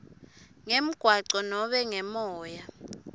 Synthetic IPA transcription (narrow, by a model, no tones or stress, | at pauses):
ŋem̩ɡ̥ʱwaǀɔnɔɓɛŋɛmɔːja